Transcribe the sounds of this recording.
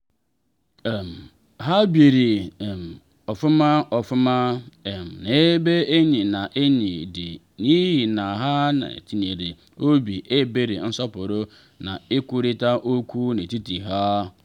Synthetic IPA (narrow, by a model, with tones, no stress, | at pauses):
m˨ | ɦa˦bje˨ɾi˨m˨ | ɔ˨fʊ˦ma˦ɔ˨fʊ˦ma˦˨m˨ne˨˦be˦e˦ɲĩ˨nã˨ʔe˦ɲi˨dɪ̰˨ | nĩ˦ɦi˨na˨ɦa˦na̰˨ti˨n˨e˨ɾe˨ | o˦bi˨ʔe˦be˦ɾḛ˨n̩˦sɔ˦pʊ˨ɾo˦ | nã̰˨ɪ˦ku˦ɾi˦ta˦ʔo˦kʰʷu˦ne˨ti˦ti˨ɦa˦